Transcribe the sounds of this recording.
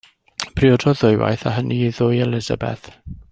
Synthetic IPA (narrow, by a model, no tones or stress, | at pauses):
pʰriɔdɔðʊjwa̰jθaɦənʔiðʊjɛlɪza̰bɛ̰θ